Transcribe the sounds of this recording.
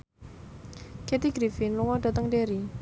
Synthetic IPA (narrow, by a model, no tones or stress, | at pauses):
ket̪iɡɾifɪnluŋɔɖ̥at̪əŋɖeɾi